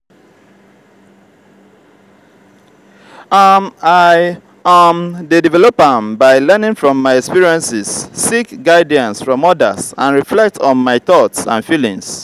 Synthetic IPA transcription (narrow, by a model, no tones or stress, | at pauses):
amaɪ | amdedivɛlopãmbaɪlɛnĩŋfɹɔ̃mːaɪɛkspiɹiɛ̃nsɪsːikɡaɪdiãnsfɹɔ̃mɔdə̰sãnɹiflɛk̚tʰɔ̃n̩maɪθɔtsã̰nfilĩŋs